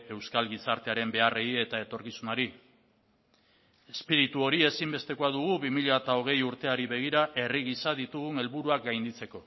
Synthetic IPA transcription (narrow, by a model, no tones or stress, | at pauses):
e̞wskalɣisaɾt̪e̞aɾe̞mbe̞areie̞t̪ae̞t̪o̞ɾkisunaɾi | espiɾit̪uo̞ɾie̞simbe̞st̪e̞koaðuɣ̞uβimiʎat̪ao̞ɣ̞e̞juɾt̪e̞aɾiβe̞ɣ̞iɾaʔe̞riɣ̞isaðit̪uɣune̞lβuɾuakɡajnd̪it͡se̞ko̞